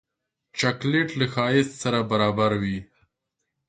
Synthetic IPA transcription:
t͡ʃakleʈlaxɑːjɪssaɾabaɾɑbaɾwi

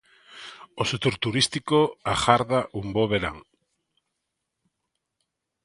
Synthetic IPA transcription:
oset̪oɾt̪uɾist̪ikoaxaɾðaʔumboβeɾa̰ŋ

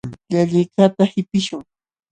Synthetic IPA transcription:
ʎaʎɪjkat̪ahɪpɪʃʊŋ

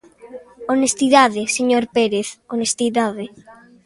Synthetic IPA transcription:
onest̪iðaðɪseɲoɾpeɾeθonest̪iðaðɪ

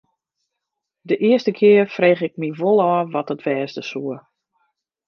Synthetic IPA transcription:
dəʔɪəstəkʰɪərfreːxɪk̚miʋolˠɔːʋɔtətʋɛːsdəsuə

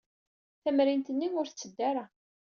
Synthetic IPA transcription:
θæmɾint̪ənːiʊɾθt͡sːəd̪ːaɾa

